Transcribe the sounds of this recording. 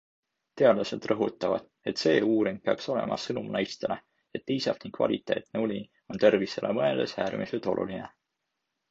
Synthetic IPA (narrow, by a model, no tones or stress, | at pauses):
t̪e̞ɑd̪̥lɑsed̪rɤɦut̪ːˑɑvɑ̰d̪̥ | e̞t̪se̞ːuːɾim̥̚peɑkso̞le̞̰mʔɑ̰sɤnumnɑjst̪ele | et̪ːiːsɑfniŋkːvɑ̰lʲit̪ːˑe̞ːt̪neulʲi | o̞nt̪e̞rviselʔḛmɤeld̪̥e̞sæːɾmiselt̪o̞̰lʔṵline